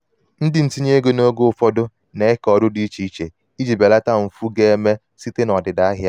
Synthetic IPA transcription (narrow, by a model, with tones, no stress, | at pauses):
n̩˦dɪ˨n̩˨ti˦ɲe˦ɡe˦no˦ɡo˦ʊ˨fɔ˦dʊ˦ | ne˨ɪ˦kɔ˨dʊ˦di˦t͡ʃi˦i˦t͡ʃe˨ | i˦d͡ʒi˨be˨la˦ta˦m̩˨fu˦ɡe˦e˦me˦ | si˦te˦nɔ˨dɪ˨da˦a˦ɦja˦